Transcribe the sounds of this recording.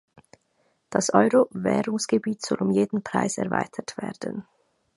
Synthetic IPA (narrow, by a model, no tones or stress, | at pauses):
d̥asʔɔʏʁovɛːʁʊŋsɡ̥əbiːtz̥ɔlʊmjeːdn̩pʁ̥a̰ɪsɛ̰ɐva̰ɪtʰətv̥ɛːɐdə̰n